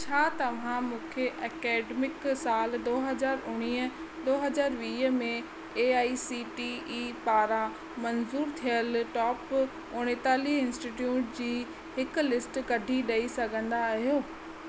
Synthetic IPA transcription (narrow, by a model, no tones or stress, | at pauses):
t͡ɕʰaːt̪ɐʋ̤ãmũːkʰeʔɐːkeːɖmɪksaːld̪oːɦɐzaːɾʊɽ̃iːə | d̪oːɦɐzaːɾʋiːɦəmẽ | eːaːisiːʈiiːpaːɾã | mɐnzuːɾt̪ʰijəlʈɔːp | ʊɽ̃et̪aːliɪ̃nsʈiʈjuːʈd͡ʑiː | hɪkʊ̆lɪsʈkɐɖʱiɗɐisɐɡʱə̃nd̪aːɦijoː